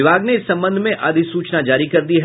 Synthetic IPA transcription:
ɪbʱaːɡneɪsːɐ̃mbə̃nd̪ʱmẽʔaːd̪ʱisuːt͡ʃnad͡ʒaːɾikɐɾd̪iɦɛ

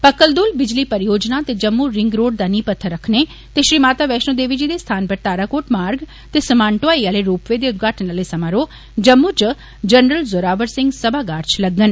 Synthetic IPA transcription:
pəkəld̪uːlbɪd͡ʒliːpəɾjoːd͡ʒnaːt̪eːd͡ʒəmːuɾɪŋɡɾoːɖ̚d̪aːniːpət̪ʰːəɾːəkʰneː | t̪eːʃɾiːmaːt̪aːʋɛːʃnoːd̪eːʋiːd͡ʒiːd̪eːst̪ʰaːnpəɾt̪aːɾaːkoːʈmaːɾɡ | t̪eːsəmãːɳʈoaːiːaːleɾuːpʋeːd̪eːʊt̪̚ɡʱaːʈənaːleːsəmãːɾoː | d͡ʒəmːut͡ʃ | d͡ʒənɾəlzoːɾaːʋəɾsɪ̃ŋɡsəbaːɡaːɾt͡ʃləɡːən

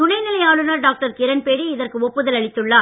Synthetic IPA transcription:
ʊnɐɪnɪlɐjaːɭɯnaːɾɖaːk̚ʈɐɾkɪɾɐnpeːɽiɪðɐrkɯɔpːɯðɐlɐɭɪt̪ːɯɭːaː

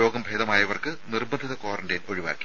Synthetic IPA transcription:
o̞ːɡɐmbʱe̞ːðɐmaːjɐʋɐrkɨnirbɐnd̪ʱiðɐkoːrɐɳdɐjnoɻiʋa̰ːkʲːi̥

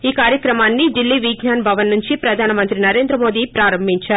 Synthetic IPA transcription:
iːkaːɾjɐkɾɐmaːnːid̪ilːiʋiɡɲaːnbʱɐʋɐnːuɲt͡ʃipɾɐd̪ʱaːnɐmɐnt̪ɾinɐɾe̞ːnd̪ɾɐmo̞ːd̪ipɾaːɾɐmbʱiɲt͡ʃaːɾ

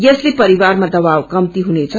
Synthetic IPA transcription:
jeslepʌɾiwarmad̪ʌβawkʌmt̪iɦunet͡sʰʌ

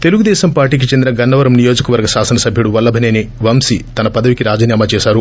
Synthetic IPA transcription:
t̪e̞luɡud̪ɛːʃɐmpaːɾʈiːk̬it͡ʃend̪inɐɡɐnːɐʋɐɾɐmnijo̞ːd͡ʒɐkɐʋɐɾɡɐʃaːsɐnɐsɐbʱjɐɽuʋɐlːɐbʱɐneːniʋɐmsit̪ɐnɐpɐd̪ɐʋikiɾaːd͡ʒɐnjaːmaːt͡ʃɛːsaːɾu

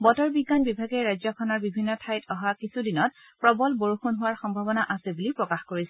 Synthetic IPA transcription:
bɔtɔɹbiɡːanbibʱaɡɛɹajzɔkʰɔnɔɹbibʱinːɔtʰajtʰɔɦakisudinɔt̚ | pɹɔbɔlboɹuxunɦʊwaɹxɔmbʱabɔnaʔasɛbulipɹɔkaxkoɹisɛ

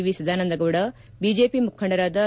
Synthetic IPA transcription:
iʋisɐd̪ʱaːnɐnd̪ɐɡɐʋuɽɐ | bid͡ʒeːpimukʰːɐɳɖɐɾaːd̪ɐ

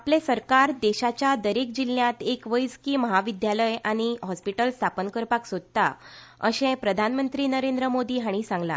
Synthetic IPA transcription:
aplesəɾkaɾd̪eɕat͡ɕjad̪əɾek̚d͡ʑilːjãt̪ekʋəjskiːməɦaʋid̪jaləjaɽ̃iɦɔspiʈəlst̪ʰapənkəɾpaksod̪̚t̪a̰ | əɕẽpɾəd̪ʱanmənt̪ɾiːnəɾend̪ɾəmod̪iːɦaɽ̃isãŋɡla̰

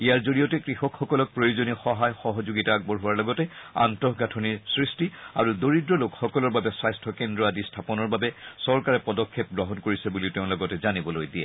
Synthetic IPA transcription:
ijaɹzoɹijɔtɛkɹixɔkxɔkɔlɔk̚pɹojozonixɔɦajxɔɦɔzuɡitaːɡ̚bɔɹɦuwaɹlɔɡɔtɛa̰ntɔɦɡatʰɔniɹsɹistia̰ɹudoɹidɹɔlokxɔkɔlɔɹbabɛsajstʰɔkendɹɔadistʰapɔnɔɹbabɛsɔɹkaɹɛpɔdɔkʰːep̚ɡɹɔɦɔnkoɹisɛbuliʊtɛʊ̃lɔɡɔtɛzanibɔlojdijɛ̰

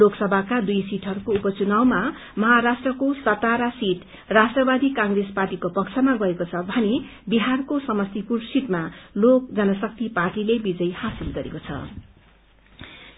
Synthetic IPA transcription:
loksʌbʱakad̪ujsiʈɦʌɾukoupʌt͡sunawma | mʌɦaɾasʈrʌkosʌt̪aɾasiʈ | rasʈrʌbad̪ikãŋresparʈikopʌkt͡sʰʌmaɡʌekot͡sʰʌbʱʌne | biɦarkosʌmʌst̪ipursiʈ̪malok̚d͡zʌnʌsʌk̚t̪iparʈilebid͡zʌjhasilɡʌɾḛkot͡sʰʌ̰

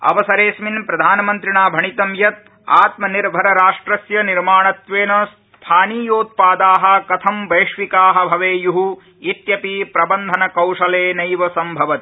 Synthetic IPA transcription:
ɐ̰ʋɐsɐɾeːsminpɾɐd̪ʱaːnɐmɐnt̪ɾiɳaːbʱɐɳit̪ɐmjɐt̪̚ | a̰ːt̪mɐniɾbʱɐɾɐɾaːʂʈɾɐsjɐniɾmaːɳɐt̪ʋeːnɐs | t̪ʰaːniːjoːt̪̚paːd̪aːɦɐ̆kɐt̪ʰɐmʋɐjʂʋikaːɦɐ̆bʱɐʋeːjuɦu | it̪jɐpipɾɐbɐnd̪ʱɐnɐkɐwʂɐleːnɐjʋɐsɐmbʱɐʋɐt̪

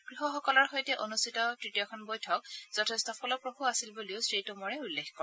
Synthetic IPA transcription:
ɡ̥ɹiɦɔxɔkɔlɔɹxɔjtɛʔonustʰitɔtɹitijɔkʰɔnbojtʰɔkz̥ɔtʰestɔpʰɔlɔpɹobʱuasilbuliʊsɹitumɔɹɛulːexkɔɹ

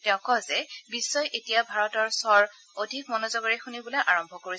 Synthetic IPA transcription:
tɛʊ̃kɔzɛbisːɔjʔetijabʱaɹɔtɔɹsɔɹ | odʱikmɔnɔzɔɡɔɹixunibulɔjʔaɹɔmbʱɔkoɹi

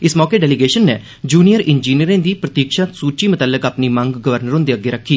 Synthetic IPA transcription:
ɪsmɔːkeːɖɛːlɪɡeːʃənːeː | d͡ʒuːnijəɾʔɪnd͡ʒiːniɾẽːd̪iːpɾət̪iːkʃaːsuːt͡ʃiːmət̪aːlːəkaːpniːmə̃ŋɡɡəʋəɾnəɾɦõːnd̪eːəɡeːɾəkʰːiː

